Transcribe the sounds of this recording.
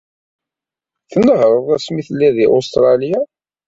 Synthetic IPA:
θənːəɦɾˤəðˤæsmiθəlːæðiʔost̪ɾˤɑlija

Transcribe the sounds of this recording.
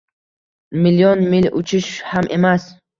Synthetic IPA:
miljɔnmilut͡ʃʰiʃhamʔemas

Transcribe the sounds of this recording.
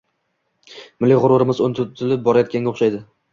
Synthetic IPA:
mɪlːɪʁʊɾʊɾɪmɪzont̪ʰʊt̪ʰɪlɪp̚bɒɾajɒt̪̚kʲanɡʲaoχʃajd̪ɪ

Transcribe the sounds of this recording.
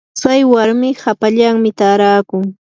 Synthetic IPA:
t͡sajwaɾmɪhapaʎaŋmɪt̪aːɾaːkʊŋ

